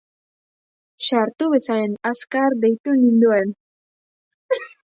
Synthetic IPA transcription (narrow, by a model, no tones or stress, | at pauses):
ʃaɾt̪uβe̞saɾenaskaɾd̪e̞jt̪unind̪uen